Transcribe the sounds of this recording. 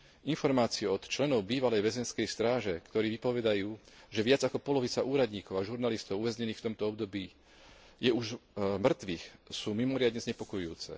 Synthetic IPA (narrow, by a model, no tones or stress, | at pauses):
infɔɾmaːt͡siɛɔt̪t͡ʃlɛnɔʊbiːʋalɛjʋɛzɛnskɛjst̪ɾaːʒɛkt̪ɔɾiːʋipɔʋɛd̪ajuː | ʒɛʋɪad͡zakɔpɔlɔʋit͡saʔuːɾad̪ɲiːkɔʊaʒuɾnalist̪ɔʊuʋɛzɲɛniːxft̪ɔmt̪ɔɔbd̪ɔbiː | jɛuʒmr̩t̪ʋiːxsuːmimɔɾɪad̪ɲɛzɲɛpɔkɔjuːt͡sɛ̰